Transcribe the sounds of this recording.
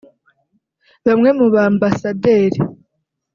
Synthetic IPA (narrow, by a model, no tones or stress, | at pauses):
βamŋe̞muβaːmbasade̞ːɾi